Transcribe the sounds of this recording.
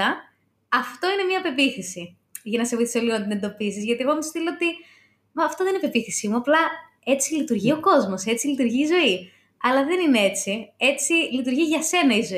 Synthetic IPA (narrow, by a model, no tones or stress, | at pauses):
ɐ | ɐft̪o̞ine̞mɲɐpe̞piθisi | ʝɐnɐseviθisoliɣonɐt̪ine̞nd̪o̞pisizʝɐt̪ie̞ɣomist̪iloot̪i | mɐːft̪oðeinipe̞piθisimuɐplɐ | e̞t͡silit̪uɾʝio̞ko̞zmo̞se̞t͡silit̪uɾʝiːzo̞i | ɐlɐðe̞nine̞e̞t͡sie̞t͡silit̪uɾʝiʝɐse̞nɐizo